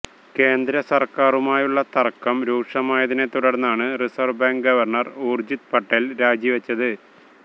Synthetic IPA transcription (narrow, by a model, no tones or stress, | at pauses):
ke̞ːnd̪ɾɐsɐrkaːrumaːjuɭːɐt̪ɐrkːɐmɾuːkʂɐmaːjɐðine̞t̪uɽɐrnːaːɳɨrisɐrbaːŋɡɡɐʋɐrɳɐroːrd͡ʑit̪pɐʈːelɾaːd͡ʑjiʋɐt͡ɕːɐðɨ